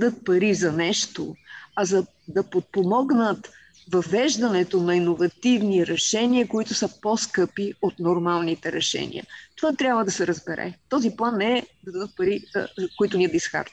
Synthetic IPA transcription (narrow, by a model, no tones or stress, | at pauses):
d̪ɤt̪̚pɐɾizɐnɛʃt̪oɐzɐ | d̪ɐpot̪̚pomɔɡnət̪ | vɐvɛʒd̪ɐnɛt̪onɐinovɐt̪ivniɾɛʃɛniəkoit̪ʊsəpɔskɤpiot̪noɾmalˠnit̪ɛɾɛʃɛ̰nḭə̰t̪ovat̪ɾʲabvəd̪ɐsɛɾəzbɛɾɛ̰t̪ɔziplˠanːɛɛd̪ɐd̪ɐd̪ət̪̚pɐɾḭkoit̪ʊniəd̪ɐisxa̰ɾt̪